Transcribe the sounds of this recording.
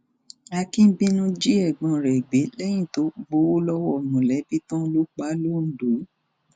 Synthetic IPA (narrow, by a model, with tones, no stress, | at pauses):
a˧kĩ˦bi˦nũ˦d͡ʒi˦ɛ˦˨ɡ͡bɔ̃˨˧ɾɛ˨ɡ͡be˨˦lɛ˦j̃ĩ˦˨to˨˦ɡ͡bo˦wo˦lɔ˦wɔ˦˨nũ˨lɛ˨˦bi˦tɔ̃˦lu˦k͡pa˨˦lo˦˨n̩˨du˨˦